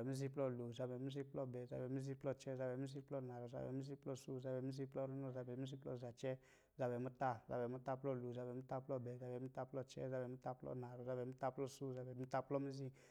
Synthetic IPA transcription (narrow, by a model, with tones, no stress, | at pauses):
ɛ˨mi˦zi˧˦plɔ˦˨lo˨za˧bɛ˨mu˦zi˧plɔ˦˨bɛ˨za˨˧bɛ˨mu˦zi˧˦plɔ˧t͡ʃɛ˦za˧bɛ˨mu˦zi˧plɔ˦˨na˨ɾɔ˨za̰˨bɛ˨˦mu˦zi˧˦plɔ˦˨su˦˨za˧bɛ˨mu˦zi˧plɔ˦ɾu˦nɔ˦˨za˧bɛ˨mu˦zi˧˦plɔ̰˦˨za˨t͡ʃɛ˦ | za˧bɛ˨mu˦ta˦za̰˧bɛ˨mu˦ta˦˧plɔ˧˦˨lu˨za˧bɛ˨mu˦ta˦˧plɔ˦bɛ˨za˨bɛ˨mu˦ta˧plɔ˦˧t͡ʃɛ̰˦za˧bɛ˨mu˦ta˧plɔ̰˦na˨ɾɔ˨za˨˧bɛ˨mu˦ta˧plɔ˦˨su˦˨za˧bɛ˨mu˦ta˧plɔ˦mi˦zi˧